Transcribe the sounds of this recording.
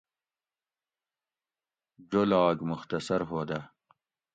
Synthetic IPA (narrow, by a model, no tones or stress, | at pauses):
d͡ʒolɑɡmʊxt̪asaɾɦod̪a